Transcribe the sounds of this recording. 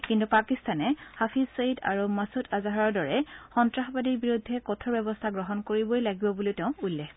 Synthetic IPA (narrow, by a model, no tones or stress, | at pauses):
kintupakistanɛhapʰisoita̰ɹumasutʰazaɦaɹɔɹdɔɹɛxɔntɹaxbadibiɹudʱːɛkɔtʰɔɹbɛbɔstʰaɡɹɔɦɔnkoɹibojlaɡibɔbulitɛʊ̃ulːɛx